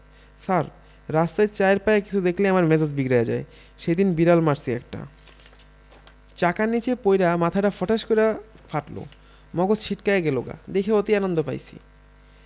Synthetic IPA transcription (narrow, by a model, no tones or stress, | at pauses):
saɾ | ɾast̪ajt͡ɕajɾpajekit͡ɕʰud̪ekʰleamaɾmɛd͡ʑad͡ʑbiɡɾajad͡ʑa̰e | ʃejd̪inbiɾalmaɾsiɛk̚ʈa̰ | t͡ɕakanːit͡ɕepojɾamat̪ʰaʈafɔʈaʃkoɾa | faʈlo̰ | mɔɡosʃʰiʈkaeɡɛloɡa̰d̪ekʰeot̪ianond̪opa̰jt͡ɕʰḭ